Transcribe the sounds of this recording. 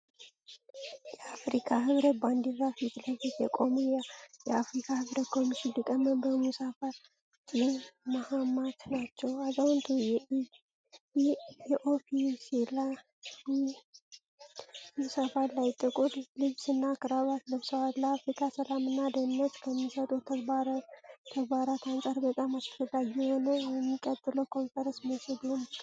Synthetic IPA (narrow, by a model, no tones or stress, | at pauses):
jɛafɾikʰaɦɨβɾət̪̚band̪izafit̪ləfit̪jɛkʼo̞mujjɛafɾikʰahɨβɾət̪kʰo̞miʃɪnd̪ɨkʼəmːəmbəmusafal | tʼinmahamat̪nat͡ʃːɛwazawʊnt̪ʰujɛ | ɛʔopʰisila | musafallajɪt̪ʼːɨkʼut̪ʼlɨβsɨnːakɨɾaβat̪lɨβsəwat̪laafɾikʰasəlamɨnːad̪ənːət̪kʰəmːisət̪ʼut̪ʰaɾt̪ʰəɡbaɾat̪ansʼaɾbət̪ʼamaskəd̪ajːɛhonəjɛmːikʼət̪ʼːɨləkʰo̞nfəɾənsməsəd̪un